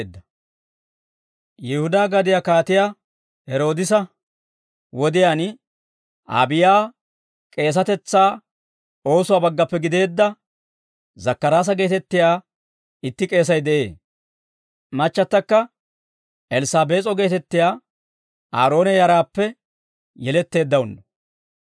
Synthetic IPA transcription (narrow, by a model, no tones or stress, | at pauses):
d̪ːɐ | jɪhʊd̪aːɡɐd̪ɪjaːkaːt̪ɪjaː | hɛɾo̞ːd̪ɪsɐ | wɔd̪ɪjaːn | ʔa̰ːbɪjaː | kʼe̞ːs̬ɐt̪ɛt͡sːaː | o̞ːsʊwaːbɐɡːɐpːɛɡɪd̪e̞ːd̪ːɐ | zɐkːɐɾaːs̬ɐɡe̞ːt̪ɛt̪ːɪjaː | ɪt̪ːɪkʼe̞ːs̬ɐjd̪ɛʔe̞̰ː | mɐt͡ʃːɐt̪ːɐkːɐ | ʔɛlɪsaːbe̞ːt͡sʼɔɡe̞ːt̪ɛt̪ːɪjaː | ʔa̰ːɾo̞ːnɛjɐɾaːpːɛ | jɛlɛt̪ːe̞ːd̪ːɐwʊnːɔ